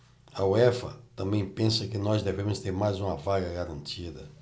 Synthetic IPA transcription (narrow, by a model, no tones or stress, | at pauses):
ɐwɛfɐ̰t̪ɐ̃mbẽj̃pẽsɐkɪnɔzd̪evẽmʊst̪eɾmajzũmɐvaɡɐɡaɾɐ̃nt͡ʃid̪ɐ